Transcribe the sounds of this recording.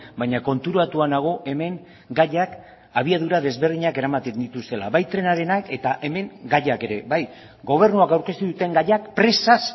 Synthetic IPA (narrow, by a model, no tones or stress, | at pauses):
bajɲako̞nt̪uɾuat̪uanaɣ̞o̞ʔe̞me̞ŋ | ɡajak | aβ̞iaðuɾaðe̞zβe̞ɾðiɲake̞ɾamat̪end̪it̪ust̪e̞la̰βajt̪ɾe̞naɾe̞nake̞t̪aʔe̞me̞ŋɡajake̞ɾe̞βaj | ɡo̞β̞e̞ɾnuakawɾke̞st̪uðut̪e̞ŋɡajakpɾe̞sas